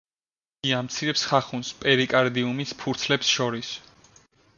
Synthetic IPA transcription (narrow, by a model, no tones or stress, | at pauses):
ɡ̥iamt̪sʰiɾɛpsχaχunspʼɛɾikʼaɾd̪iumispʰuɾt̪sʰlɛpsʃɔɾis